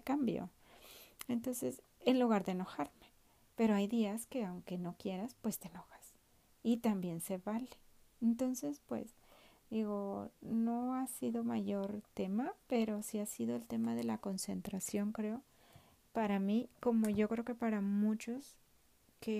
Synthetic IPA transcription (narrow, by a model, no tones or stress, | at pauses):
kambjo̰ | ent̪o̞nse̞s | enluɣaɾðe̞eno̞xaɾme̞ | pe̞ɾo̞ajðiaske̞awŋke̞no̞kje̞ɾaspwe̞st̪eːno̞xḁs | it̪ambje̞nse̞βale̥ːnt̪o̞nse̞spwḛz | d̪iɣo̞no̞asiðo̞maʝo̞ɾt̪e̞mape̞ɾo̞siasiðo̞elt̪e̞maðe̞lako̞nse̞nt̪ɾasjo̞ŋkɾeo | paɾamiko̞mo̞ʝo̞kɾeo̞ke̞paɾamut͡ʃo̞s | ke